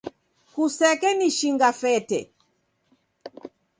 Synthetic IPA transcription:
kusɛkɛniʃiŋɡafɛtɛ

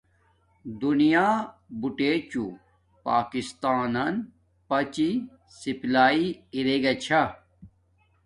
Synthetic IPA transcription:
d̪unijaːbuʈeːt͡ɕu | paːkist̪aːnɐn | pɐt͡ɕi | siplaːiiɾeɡɐt͡ɕʰa

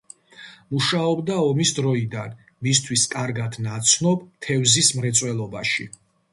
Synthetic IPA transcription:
muʃaɔbd̪aɔmisd̪ɾɔid̪an | mist̪ʰwiskʼaɾɡad̪nat̪sʰnɔbt̪ʰɛvzismɾɛt̪sʼwɛlˠɔbaʃi

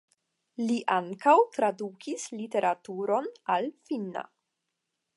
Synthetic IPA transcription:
liʔaŋkawtɾadukʰislite̞ɾʔatuɾo̞nalfinːa̰

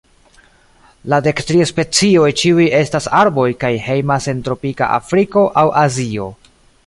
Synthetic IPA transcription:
lade̞ktɾiaspe̞t͡sio̞jt͡ʃiuje̞stasaɾbo̞jkajhe̞jmase̞ntɾo̞pika̰ʔa̰fɾiko̞ʔawʔazio̞

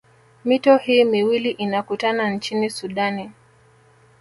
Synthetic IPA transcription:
mitɔhiːmiwiliʔinakutanant͡ʃinisuɗani

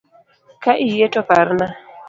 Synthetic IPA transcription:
kaʔijetɔpaɾna

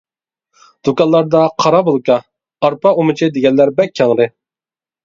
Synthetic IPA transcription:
d̪̥ukɑllːˠɑɾd̪ɑqʰɑɾɑbolˠkɑː | ɾpɑomɨt͡ʃʰid̪ɪɡʲɛnːæɾbɛkʲʰːɑŋɾɪ

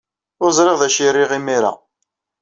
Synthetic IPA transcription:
ʊɾzˤɾɪʁðæʃiɾːɪʁimiɾa̰

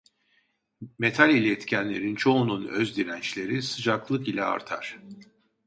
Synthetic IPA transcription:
me̞t̪ʰalʲilʲɛɛt̪cʰænlʲe̞̰ɾint͡ʃʰo̞ununøzd̪iɾænt͡ʃlʲe̞ɾisɯd͡ʒaklˠɯkilʲɛ̰a̰ɾt̪ʰa̰ɾ̥

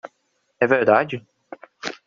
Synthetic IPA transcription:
ɛveɾd̪ad͡ʒɪ

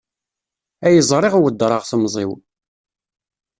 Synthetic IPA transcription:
æjəzˤɾˤɪʁwəd̪ːɾˤɑʁθəmzˤḭw

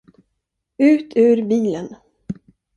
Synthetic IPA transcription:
ʉ̟ːt̪ʰʉ̟ːɾbiːlən

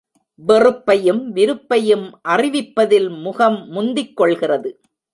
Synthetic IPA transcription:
ʋɛrɯpːɐjɯmʋɪɾɯpːɐjɯmʔɐrɪʋɪpːɐðɪlmʊɣɐmːʊnd̪ɪkːɔɭɣɪrɐðɯ

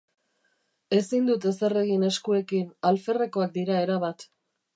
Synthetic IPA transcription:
e̞sind̪ut̪e̞se̞re̞ɣine̞skue̞kinalfe̞re̞ko̞ak̚d̪iɾae̞ɾaβat̪

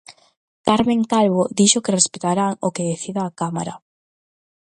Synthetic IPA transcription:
kaɾmeŋkalβod̪iʃokerespet̪aɾaŋokeðeθiðaːkama̰ɾɐ̰

